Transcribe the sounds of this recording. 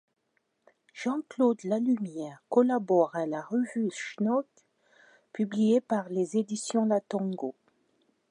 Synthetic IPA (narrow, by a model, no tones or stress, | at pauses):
ʒ̥ɑ̃klod̪lalymjɛʁkɔlabɔʁalaʁəvyʃnɔt̪ | pyblijepaʁlezed̪isjɔ̃lat̪ɔ̃ɡo